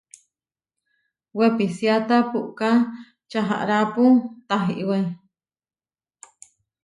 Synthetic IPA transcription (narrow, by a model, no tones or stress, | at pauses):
wepisiat̪apuʔka | t͡ʃaɦa̰ʔɾaput̪aɦiʔwei